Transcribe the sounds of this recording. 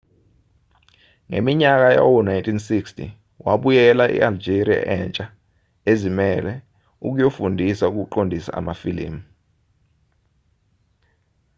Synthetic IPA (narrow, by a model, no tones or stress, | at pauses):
ŋḛmiɲak̬aja̰wɔnajntʰʼinsikstʰḭ | waɓujɛlaʔḭald͡ʒeɾia̰ʔɛnt͡ʃʼa | ezimɛlɛ | uk̬ujofundʱisauk̬uǃondʱisa̰ʔa̰mafilḭːm̩